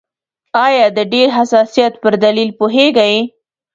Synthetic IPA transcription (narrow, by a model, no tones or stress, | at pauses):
ɑjɑd̪əɖeɾɦasɑsijɑt̪pəɾd̪alilpoɦeɡaj